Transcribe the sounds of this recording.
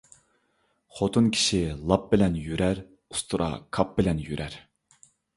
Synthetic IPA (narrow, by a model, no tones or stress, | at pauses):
χot̪ʰunkʲʰi̥ʃilˠɑp̚bɪlɛnjyɾæɾ | u̥st̪ʰuɾʔɑ̰kʰɑp̚bɪlɛnjyɾʔæɾ